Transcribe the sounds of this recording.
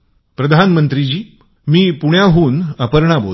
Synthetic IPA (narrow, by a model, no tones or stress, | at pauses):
pɾəd̪ʱanmənt̪ɾid͡ʑiː | miːpuɳjaɦuːnəpəɾɳabo̰